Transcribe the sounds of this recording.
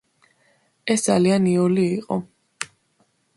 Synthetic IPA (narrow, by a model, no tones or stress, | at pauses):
ɛsd̪zalianiɔliːqʼɔ̰